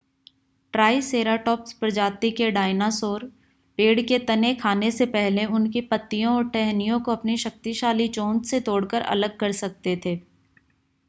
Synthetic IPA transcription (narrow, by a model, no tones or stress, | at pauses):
ʈɾaːiseːɾaːʈɔːpspɾɐd͡ʒaːt̪ikeɖaːɪnasoːɾ | peːɖket̪ɐnekʰaːnesepɛɦleʊnkipɐt̪ːijõɔːɾʈɛɦnijõkoɐpniʃɐk̚t̪iʃaːlit͡ʃõːnt̪set̪oːɽkəɾʔɐ̰ləɡ̚kɐɾsɐk̚t̪et̪ʰeː